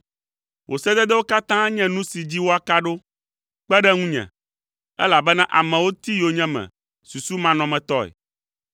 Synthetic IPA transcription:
wʔo˨sɛ˦d̪ɛ˦d̪ɛ˦wo˦ka˦t̪ã˦ɲɛ̃˦nũ˦si˨d͡ʑi˦wo˦a˨ka˦ɖo˦ | k͡pɛ˦ɖɛ˦ŋũ˦ɲɛ̰̃˨ | ɛ̰˦la˨bɛ˦nã˦ʔa˨mɛ̃˨wo˦t̪i˦jo˨ɲɛ̃˦mɛ̰̃˨ | su˨su˦mã˨nɔ̃˨mɛ̃˨t̪ɔ˦ḛ˨

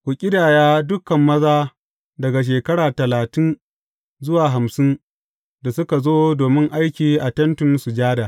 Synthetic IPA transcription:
kʷʊ˨kʲʼɪ˦daː˨jaː˦dʊ˦kɐ˨mːɐ˦zaː˦ | dɐ˨ɡa˨ʃ̬eː˨kɐ˦ɽaː˨tɐ˨laː˨tɪ˦n | zʊ˦waː˨ɦa˨msɪ˦n | da˨sʊ˦ka˨zoː˦doː˨mɪ˦ŋʔa˦jkʲiː˨ʔa˨tɐ˦ntʊ˨nsu˨d͡ʒaː˦daː˨

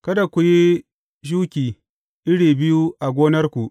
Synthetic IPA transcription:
kɐ˦da˨kʷu˨ji˦ | ʃ̬uː˦kʲiː˨ | ʔɪ˦ɽiː˨bɪ˦ju˦ʔa˨ɡʷoː˦nɐ˦rkʷu˨ʔ

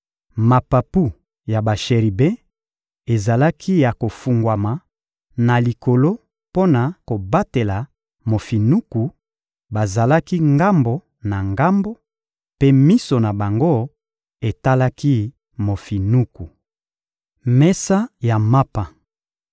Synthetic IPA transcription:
ma˨pa˨pu˦˨ | ja˨ba˨ʃe˨ʁi˨bɛ̃˦ | e˨za˨la˦kʰi˦ja˨ko˨fu˨ŋɡwa˨ma˨ | na˨li˨ko˨lo˦ | po˦na˨ko˨ba˦te˨la˨ | mo˨fi˨nu˦ku˨ | ba˨za˨la˦ki˦ŋɡa˦mbo˨ | na˨ŋɡa˦mbo˦ | pe˦mi˦so˨na˨ba˨ŋɡo˦ | e˨ta˦la˦ki˦ | mo˨fi˨nu˦ku˨ | mɛ˦sa˦ja˨ma˦pa˨

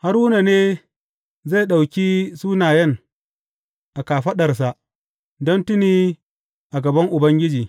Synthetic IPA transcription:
ha˦ɾwʊ˦na˨neː˦ | za˦˨ɗa˨wkʲiː˦suː˦naː˨jɛ˦ŋ | ʔa˨kaː˨ɸɐ˦ɗɐ˨rs̬a˦ʔ | dɔ˦ntʊ˦niː˦ | ʔa˨ɡɐ˨bɐ˦ŋʔʊ˨bɐ˦ŋɡʲɪ˦d͡ʒiː˨

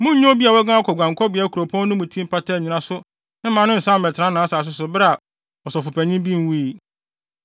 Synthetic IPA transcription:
mʊ̃˦ɲõ˦bi˦a˨wɔ˦ɡã˦kʰɔ˨ɡʷã˨ŋ˨kʰɔ˦bi˨a˦kʰu˨ɾo˨pʰɔ̃˦n˦ʊ̃˦mũ˨tʰĩ˦m̩˦pa˦tʰɛ˦˨ɲĩ˨nã˨sʊ˦ | nɪ̃˦mã˨˦nʊ̃˦n̩˨sã˦˨mɛ˨tʰɪ˨ɾã˦nã˨˦saː˨s̬ʊ˦sʊ˨bɾa˨ | ɔ˨sɔ˨fʊ˨pɛ˨ɲĩ˦mbi˦m˨wu˦i˨

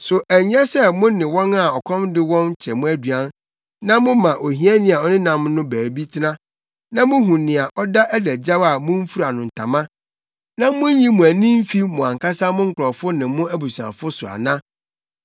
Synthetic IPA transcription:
sʊ˨ʔæ˨ɲ˦ɛ˦sɛ˦mʊ̃˦nɪ̃˨wɔ̃˦na˨ɔ˨kʰɔ̃˦mdɪ˦wɔ̃˦n˦t͡ɕʰɛ˨mʊ̃˦æ˦dɥã˦n | nã˦mʊ̃˦mã˨ʔo˨ɦĩ˦ɛ˦nɪ̃˦a˨ɔ˦nɪ̃˦nã˨mnʊ̃˦bæː˨bi˦tʰɪ˦nã˦ | nã˦mʊ̃˦ɦũ˨nɪ̃˨a˨ʔɔ˦da˦ʔæ˦dæ˨d͡ʑa˦ba˨mʊ̃˦m̩˦fu˦ɾa˨nʊ̃˨n̩˨tʰa̰˨mã˦ | nã˦mʊ̃˦ɲĩ˦mʊ̃˨æ˨nĩ˦m̩˦fi˦mʊ̃˨ã˨ŋkʰa˦sa˦mʊ̃˦ŋ̩˦kʊ˨ɾɔ˨fʊ˦nɪ̃˨mʊ̃˦æ˦bu˨su˨ã̰˨fʊ˦sʊ˨a̰˨nã˦

